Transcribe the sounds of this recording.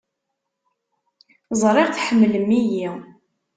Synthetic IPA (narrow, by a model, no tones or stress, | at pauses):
zˤɾˤɪʁθħəmːləmːiji